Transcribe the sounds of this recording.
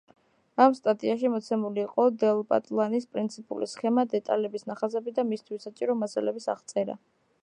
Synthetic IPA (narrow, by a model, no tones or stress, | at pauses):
amst̪ʼat̪ʼiaʃimɔt̪sʰɛmuliːqʼɔd̪ɛlˠpʼa̰t̪ʼlˠanispʼɾint̪sʰipʼṵlḭsχɛmad̪ɛt̪ʼalɛbisnaχazɛbid̪amist̪ʰwisːat͡ʃʼiɾɔmasalɛbisa̰ʁt̪sʼɛɾa̰